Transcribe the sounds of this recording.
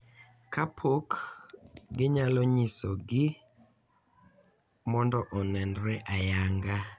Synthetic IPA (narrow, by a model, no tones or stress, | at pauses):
kʰapʰok | ɡɪɲalɔɲisɔɡɪ | mɔndɔʔɔnɛndɾɛʔajaŋɡa